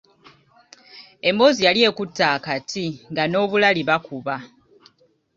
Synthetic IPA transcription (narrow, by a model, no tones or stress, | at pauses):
e̞mo̞ːzijalje̞ːkutːaːkatʰiŋɡano̞ːβulaliβakuβa